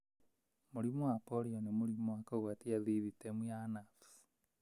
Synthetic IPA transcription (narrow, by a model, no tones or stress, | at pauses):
muɾimɔwapɔɾiɔnemuɾimwakɔɣwatiaðiðitemuanaf